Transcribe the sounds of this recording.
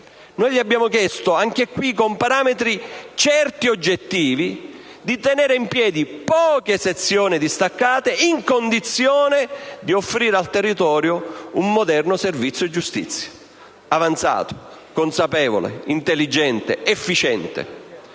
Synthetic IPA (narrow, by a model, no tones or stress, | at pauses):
noːjʎiabːjaːmʊkjɛst̪ʊaŋkekwikompaɾaːmet̪ɾit͡ʃɛrt̪iod͡ʒːet̪ːiːvi | d̪it̪ɛnɛːɾeimpjɛːd̪ipɔːkeset̪sːjoːnid̪ist̪akːaːt̪eiŋkond̪it̪sjoːned̪iofɾiːɾealt̪erːit̪ɔːɾjoumːod̪ɛrnʊservit̪sːjod͡ʒust̪ḭt̪sːjḁ | avant̪sa̰ːt̪o̥ | konsapɛːvo̰lḛint̪elːid͡ʒɛnt̪ḛɛfːit͡ʃɛnt̪ḛ